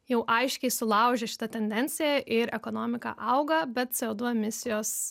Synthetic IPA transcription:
jɛʊʔɐɪʃʲkʲɛɪsʊlˠɐʊʒʲɛʃʲɪ̥t̪ɐt̪ʲɛnʲd̪ʲɛnʲt͡ssʲɪjɛʔɪɾɛkoːnoːmʲɪkɑ̰ʔɐʊɡɐbʲɛt̪̚t͡s̪ʲɛoːd̪ʊɛmʲɪsʲɪjoːs

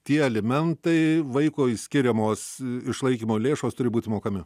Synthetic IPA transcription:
t̪ʲiɛɛlʲɛmʲɛnt̪ɐɪʋɐɪkoːjsʲkʲɪɾʲɛmoːsɪʃlˠɐɪkʲiːmoːlʲeːʃoːst̪ʊɾʲɪbuːt̪ʲɪmoːkɐmʲɪ

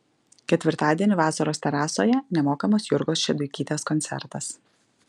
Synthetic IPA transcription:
kʲɛt̪ʲʋʲɪɾt̪ɑːd̪ʲiɛnʲʊʋɑːsɐɾoːsʲt̪ʲɛɾɑːsoːjɛnʲɛmoːkɐmoːsjʊɾɡoːsʃʲɛd̪ʊɪkʲiːt̪ʲeːskɔnʲt̪ʲɛ̰ɾt̪ɐs

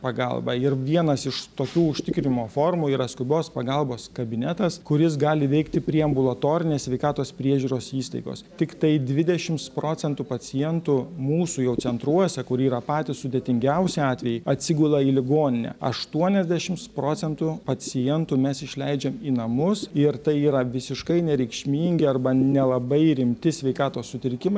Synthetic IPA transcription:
pɐɡɐ̰lˠbɐɪɾʋʲiɛnɐsɪʃt̪oːkʲuːʊʃʲt̪ʲɪkɾʲɪnʲɪmoːfoːrmuiːɾɐskʊbʲoːspɐɡɐlˠboːskɐbʲɪnʲɛt̪ɐskʊɾʲɪs̬ɡɑːlʲɪʋʲɛɪkt̪ʲɪpʲɾʲiɛɐmbʊlˠɐt̪oːɾʲɪnʲeːsʲʋʲɛɪkɑːt̪oːspʲɾʲiɛʒʲuːɾoːsiːst̪ɐ̰ɪɡo̰ːst̪ʲɪkt̪ɐɪd̪ʲʋʲɪd̪ʲɛʃʲɪmspɾoːt͡sʲɛnt̪upɐt͡s̪ʲɪjɛnt̪umuːsuːjɛʊt͡ssʲɛnt̪ɾuɔsʲɛkʊɾiːɾɐpɑːt̪ʲɪssʊd̪ʲeːt̪ʲɪŋʲɡʲɛʊsʲɪɑːt̪ʲʋʲɛjɪɐt̪ʲsʲɪɡʲuːlˠɐiːlʲɪɡoːnʲɪnʲɛ̰ɐ̰ʃt̪uɔnʲɛzʲd̪ʲæʃʲɪmspɾoːt͡s̪ʲɛnt̪upɐt͡s̪ʲɪjɛnt̪uːmʲɛsɪʃʲlʲɛɪd͡ʒʲɛmiːnɐmʊsɪɾt̪ɐɪiːɾɐʋʲɪsʲɪʃkɐɪnʲɛɾʲɛɪkʃʲmʲiːŋʲɡʲɪɐrbɐnʲɛlˠɐbɐɪɾʲɪmʲt̪ʲɪsʲʋʲɛɪkɑːt̪oːssʊt̪ʲɪɾʲkʲɪmɐ

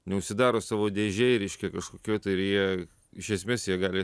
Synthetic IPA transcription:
nʲɛʊʃʲsʲɪd̪ɑːɾoːsɑːʋoːd̪ʲeːʒʲeɪɾʲɛɪʃʲkʲɛkɐʃkoːkʲoːjt̪ɐɪɪɾjiɛ | ɪʃʲɛsʲmʲeːsjiɛɡɑːlʲɪ

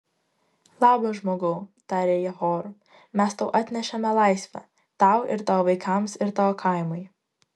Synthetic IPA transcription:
lˠɑːboʒmoːɡoʊt̪ɑɾʲeːjɛhɔːɾʊ | mʲæst̪ɐʊʔɑt̪ʲnʲɛʃʲɛmʲɛlˠɑɪsʲʋʲɛ̰ | t̪ɑʊɪ̰ɾt̪ɑːʋʋɐɪkʰɑmsɪɾt̪ɑkʰɑˑɪmʊj

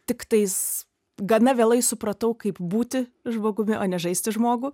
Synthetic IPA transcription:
t̪ʲɪkt̪ɐɪs | ɡɐnɐʋʲeːlˠɐɪsʊpɾɐt̪ɐʊkɐɪpbuːt̪ʲɪʒmoːɡʊmʲɪʔoːnʲɛʒɐɪsʲt̪ʲɪʒmoːɡʊ

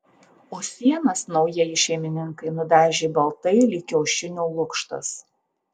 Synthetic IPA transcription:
oːsʲiɛnɐsnɒʊjiɛjɪʃʲɛɪmʲɪnʲɪŋkɐɪnʊd̪ʲæːʒʲeːbɐlˠt̪ɐɪlʲɪkʲɛːʃʲɪnʲuːlˠʊkʃt̪ɐ̰s

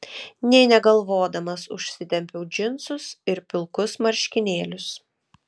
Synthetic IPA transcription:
nʲɛɪnʲɛɡɐlˠʋoːd̪ɐmɐsʊ̰ʃʲsʲɪt̪ʲɛmʲpʲɛʊd͡ʒʲɪnsʊsɪɾpʲɪlˠkʊsmɐɾʲʃʲkʲɪnʲeːlʲʊs

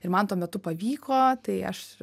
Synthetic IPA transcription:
ɪɾmɐnt̪uɔmʲɛt̪ʊpɐʋʲiːkoːt̪ɐɪɐ̰ʃ

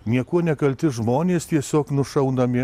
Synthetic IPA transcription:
nʲiɛkuɔnʲɛkɐlʲt̪ʲɪʒmoːnʲeːst̪ʲiɛsʲoːknʊʃɐʊnɐmʲɪ

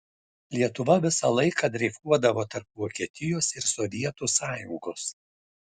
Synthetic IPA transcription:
lʲiɛt̪ʊʋɐʋʲɪsɑlˠɐɪkɐd̪ʲɾʲɛfuɔd̪ɐʋoːt̪ɐɾpʋoːkʲiɛt̪ʲɪjoːsɪɾsɔʋʲiɛt̪uːsɑːjʊŋɡoːs

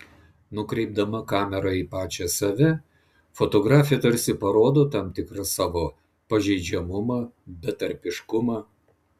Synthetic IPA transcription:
nʊkɾʲɛɪb̚d̪ɐmɐkɑːmʲɛɾɑiːpɑːt͡ʃʲɛsɐʋʲɛ | fot̪oːɡɾɑːfʲɪjɛt̪ɐɾʲsʲɪpɐɾoːd̪oːt̪ɐmʲt̪ʲɪkɾɐsɑːʋoː | pɐʒʲɛɪd͡ʒʲɛmʊmɑbʲɛt̪ɐɾʲpʲɪʃkʊmɑː

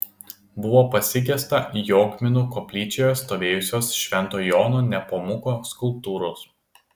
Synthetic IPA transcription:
bʊʋoːpɐsʲɪk̬ʲɛst̪ɐjoːkmʲɪnuːkɔpʲlʲiːt͡ʃʲejoːst̪oːʋʲeːjʊsʲoːsʃʲʋʲɛnˑt̪oːjoːnoːnʲɛpomʊkoːskʊlˠp̚t̪uːɾoːs

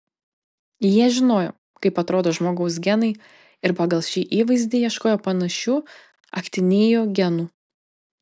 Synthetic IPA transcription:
jiɛʒʲɪnoːjo̰ː | kɐɪpɐt̪ɾoːd̪oːʒmoːɡɐʊsɡʲɛnɐɪ | ɪɾpɑɡɐlˠʃʲiːʔiːʋɐɪzʲd̪ʲejiɛʃkoːjoːpɐnɐʃʲuː | ɐ̰kt̪ʲɪnʲeːjoːɡʲɛnuː

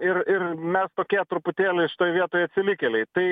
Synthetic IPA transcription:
ɪɾɪɾmʲɛst̪oːkʲiɛt̪ɾʊpʊt̪ʲeːlʲeɪʃɪt̪oːjʋʲiɛt̪oːjɐt̪ʲsʲɪlʲɪkʲelʲɛɪt̪ɐɪ

